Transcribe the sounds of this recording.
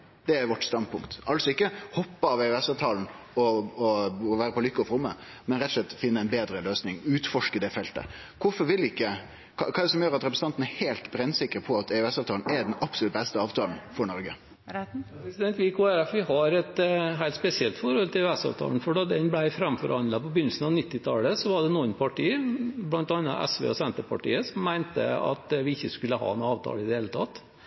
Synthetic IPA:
d̪̥ɛæɾʋɔʈːst̪ɑn̚pʊŋkt̪ɑlsɔɪkːəhɔpːəɑʋɛʉɛsɑːʋt̪ʰɑːln̩ | ɔɔʋæːɾəpʰɔlʏkːəɔfɾʊmːə | mɛnɾɛt̪ɔslɛt̪ːfɪnːəɛɪnbeːd̪ɾəløːsnɪŋʉːt̪fɔʂkəd̪ɛfɛlt̪ə̰ | kʰʊfɔɾʋɪlɪkːə | kʰɑkʰɑːɛd̪ɛsɔmjøːɾɑt̪ɾɛpɾəsnɑnt̪n̩æheːlt̪bɾɛnːsɪkːəɾpʰɔɑt̪ʰɛʉɛsɑːʋt̪ʰɑːln̩ɛɾɖɛnɑpslʉt̪̚bɛst̪əɑːʋt̪ʰɑːln̩fɔɳɔɾɡə | pɾɛsɪd̪ɛnt̪ʋiːkʰoːæɾæfʋɪhɑɾɛt̪ɦæɪlt̪spɛsɪɛlt̪fɔɾhɔlt̪ʰɪɛʉɛsɑ̰ːʋt̪ʰɑ̰ːln̩fɔɖod̪ɛnblæɪfɾɛmfɔ̰ɾhɑnlɑpɔbʏnəl̩sn̩ɑʋnɪt̪ːɪt̪ʰɑːləsɔʋɑɖɛnuːənpʰɑʈiːblɑnt̪ɑnːɑ̰ʔɛ̰sʋḛːɔsɛnt̪əpʰɑ̰ʈḭːəsɔmːæɪnt̪ə̰ɑ̰t̪ʋɪɪçːəskʉlːəɦɑ̰ːnɑːʋt̪ʰɑ̰ːləɪd̪ɛheːlət̪ʰɑt̪ː

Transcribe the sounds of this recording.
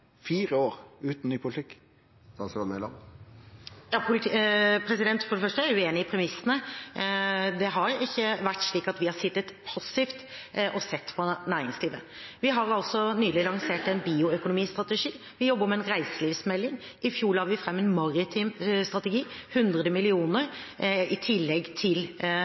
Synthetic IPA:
fiːʁəoːʁʉːt̪n̩nyːpʰʊlɪt̪ʰɪkː | d̪ɑnsɑnmɛlɑ̰m | jɑːpʰʊlpʰɾɛsɪd̪ɛnt̪fɔɖɛfœʂʈəæɾjʉeːnɪɪpʰɾɛmɪsənə | d̪ɛɦɑɾɪçːəʋæʈːʂɭiːkɑt̪ʋɪhɑɾsɪt̪ːət̪pʰɑsɪft̪ʔɔsɛt̪ːpʰɔnæːɾɪŋsliːʋə | ʋɪɦɑɾɑlsɔnyːlɪlɑŋseːʈɛnbiːʊœkʊnʊmiːst̪ɾɑt̪əʂiː | ʋɪjɔbːəɾmɛːnɾæɪsəliːʋsmɛlːɪŋ | ʔɪfjuːɭɑɾʋɪfɾɛmːɛnmɑɾɪt̪ʰɪmst̪ɾɑt̪əɡiːhʉnd̪ɾəd̪əmɪlɪuːnəɾɪt̪ʰɪlːɛɡt̪ʰɪl

